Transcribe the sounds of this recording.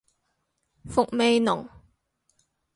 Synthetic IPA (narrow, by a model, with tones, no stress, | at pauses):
fʊ˨k̚me˨˧jnʊ̰˨˩ŋ